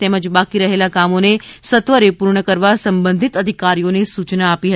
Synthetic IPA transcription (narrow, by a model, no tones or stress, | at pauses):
t̪eməd͡ʒbakiɾəɦelakamonesət̪ʋəɾepuɾɳ̃əkəɾʋasəmbənd̪ʱit̪əd̪ʱikaɾijonisut͡ʃnaːpiɦə